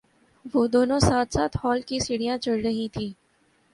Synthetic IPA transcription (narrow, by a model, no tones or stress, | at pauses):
ʋoːd̪oːnõsaːt̪ʰsaːt̪ʰhɔːlkisɪɽijãt͡ʃɐɽɾɐɦĩt̪ʰiː